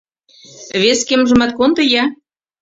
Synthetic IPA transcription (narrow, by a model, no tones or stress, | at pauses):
βeskemʒɤ̆mɑt̪̚kont̪ɤ̆jɑ